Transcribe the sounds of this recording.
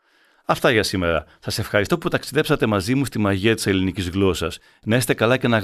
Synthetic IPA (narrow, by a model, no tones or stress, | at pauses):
ɐft̪ɐʝɐsime̞ɾɐ̰sɐse̞fxɐɾist̪o̞put̪ɐksiðe̞psɐt̪e̞mɐzimust̪imɐʝiɐt̪i̥se̞linicizɣlo̞sɐs | nɐest̪e̞kɐlɐce̞nɐ